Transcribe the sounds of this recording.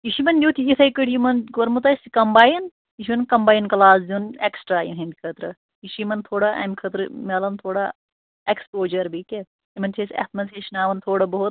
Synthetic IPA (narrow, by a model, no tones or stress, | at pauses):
jiʃimɐnd̪ʲuːt̪ʰijit̪ʰɐjkəʈʰjimɐnɡoɾmut̪̬ɐsikɐmbaːjin | jiʃimɐnkɐmbaːjinkɐlaːzd̪ʲiuneksʈɾaːjḭnɦɐ̃nd̪ikʰɐt̪ɾɨ | jiʃimɐnt̪ʰoːɽaʔɐ̰mʲkʰɐt̪ɾɨmelɐnt̪ʰoːɽa | ekspoːd͡ʒɐɾbike | imɐnt͡ʃʰesʲɐ̰t̪ʰmɐnsʰeʃnaːʋɐnt̪ʰoːɽɐbɐɦut̪̚